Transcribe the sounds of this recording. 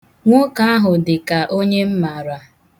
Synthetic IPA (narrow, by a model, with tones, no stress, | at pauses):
ŋʷo˦ka˦a˦ɦʊ˨dɪ˨ka˨ʔo˦ɲe˦m̩˦ma˨ɾa˨